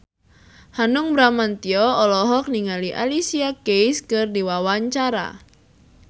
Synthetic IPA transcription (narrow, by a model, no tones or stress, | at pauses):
hanʊŋbɾamant̪iɔɔlɔɦɔk̚niŋaliʔa̰lisiakejskɨrdiwawaɲt͡ʃaɾa̰